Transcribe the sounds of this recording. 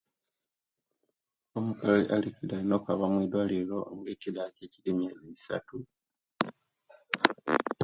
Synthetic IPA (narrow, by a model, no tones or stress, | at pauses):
omukalaiʔalikidainokaβamwiːd̪walilo̞ŋɡeːcidaceːcidimjeiisa̰tu